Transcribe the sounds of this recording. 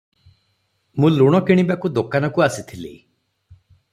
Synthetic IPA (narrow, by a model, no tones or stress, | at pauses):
mũluɽ̃ɔkiɽ̃ibakud̪okanɔkuasit̪ʰilḭ